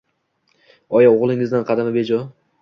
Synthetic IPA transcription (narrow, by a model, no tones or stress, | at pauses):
ɒjaoʁlˠɪŋɪzd̪anqʰɑd̪amabe̞d͡ʒɒ